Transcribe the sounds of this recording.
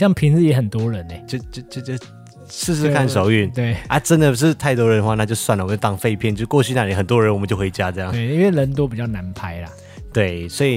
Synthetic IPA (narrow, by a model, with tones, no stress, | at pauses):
ɕjɑ˥˩ŋpʰi˧˥ŋd͡z̩˥˧jɛ˧˦˥xə˨˩nt̪wɔ˥ɻə˧˦ne˨˩t͡ɕjo˥˧ʊt͡ɕo˥˧ʊt͡ɕjo˥˧t͡ɕo˥˩ | ʂɻ̩˥˧ʂ̬ɻ̩˥˧kʰa˥˩nʂo˨˩˦ʊy˥˩nwe˥˩ɪa˥ʈ͡ʂə˦˥nd̪ə˨ʂ̬ɻ̩˥˧t̪ʰa˥˩ɪt̪wɔ˥ɻə˧˦nə˧wa˥˧na˥˧t͡ɕjo˥˧ʊswa˥˩nə˨˩˨t͡ɕt̪ɑ˥ŋfe˥˧ɪpʰjɛ˥˩nt͡ɕjʊʂkwɔ˥˧t͡ɕʰy˥˧na˥˩li˨xə˨˩nt̪wɔ˦ɻə˧˦nwɔ˨˩ə˦t͡ɕo˥˩xwe˧˥ɪt͡ɕja˥ʈ͡ʂɤ˥˧jɑ˥˩ŋwe˥˩˨i˥nwe˥˩ɪɻə˧˥nt̪̬wo˥ʊpi˨˩t͡ɕjɑ˥˩ʊna˧˥npʰa˥ɪlɐ̰˨ | t̪we˥˩ɪswɔ˧˥i˨˩